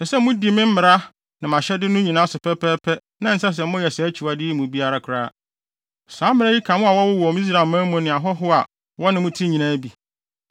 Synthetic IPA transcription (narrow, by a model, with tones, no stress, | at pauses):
ɛ˨sɛ˦mʊ̃˦di˨mɪ̃˦m̩˦mɪ˨ɾa˦ | nã˨mã˨ɕɛ˦dɪ˦nʊ̃˦ɲĩ˨nãː˦sʊ˨pʰɛ˦pʰɛ˦pʰɛ˦ | nã˦n̩˨˦sa˦s̬ɛ˨˦mʊ̃˦jɛ˨sɛ˨æ˦t͡ɕʰi˨wa˨dɪ˦mũ˨bi˦a˦ɾa˦kʰʊ˨ɾa˦ | saː˨˦mɪ̃˦ɾɛ˦ji˦kʰã˨mʊ̃˦a˨wɔ˦wʊ˦wɔ˨m˦i˦s̬ɾa˨mãː˦mʊ̃˨nɪ̃˨a˨ɦɔ˦ɦʊ˦a˨ | wɔ˦nɪ̃˨mʊ̃˦tʰi˦ɲĩ˨nãː˦bi˨